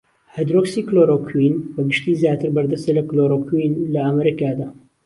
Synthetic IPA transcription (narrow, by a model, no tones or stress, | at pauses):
hɛd̪ɾoksiːkloɾokʰwinbɐɡɨʃt̪iːzjaːt̪ɨɾbɐɾd̪ɐst̪elɐkloːɾokʰwinlɐɐmɛɾikaːd̪aː